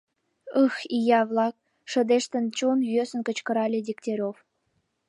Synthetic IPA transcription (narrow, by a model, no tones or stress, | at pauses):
ɤxijɑβlɑk̚ | ʃə̆d̪eʃt̪ə̆nt͡ɕonjøsə̆nkə̆t͡ɕkə̆ɾɑlʲed̪ʲiktʲeɾʲof